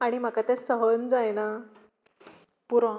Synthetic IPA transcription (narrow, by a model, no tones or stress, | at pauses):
aɽ̃im̤akat̪esəɦənd͡zajna | puɾã